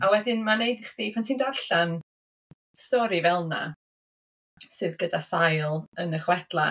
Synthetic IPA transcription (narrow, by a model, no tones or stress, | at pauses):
awɛdɪnmanejdχðiːpʰantʰiːndarɬan | stɔɾivɛlˠna̰ | sɨːðɡədasajlˠənəχwɛd̥lˠa̰